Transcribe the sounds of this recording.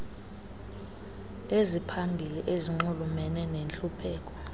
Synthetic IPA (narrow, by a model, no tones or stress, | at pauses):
ezipʰambʱiliʔeziŋ͡ǃulumɛnɛnenɬʼupʰɛːk̬ʼɔ̥